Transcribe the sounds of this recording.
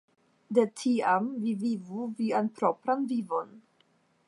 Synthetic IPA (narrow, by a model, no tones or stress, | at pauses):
detʰiamvivivuvianpɾopɾanvivo̞n